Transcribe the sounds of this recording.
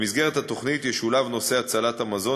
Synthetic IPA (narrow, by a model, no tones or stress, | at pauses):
mizɡe̞ʁet̪hato̞χnit̪jeʃulavno̞se̞at͡salat̪hamazo̞